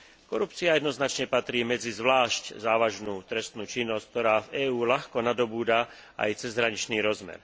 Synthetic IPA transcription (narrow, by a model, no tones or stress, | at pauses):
kɔɾup̚t͡siajɛd̪nɔznat͡ʃɲɛpat̪ɾiːmɛd͡zizʋlaːʃczaːʋaʒnuːt̪ɾɛst̪nuːt͡ʃinːɔsck̚t̪ɔɾaːvɛːuːlaxkɔnad̪ɔbuːd̪a | ʔa̰jt͡sɛzɦɾaɲit͡ʃniːɾɔzmɛ̰ɾ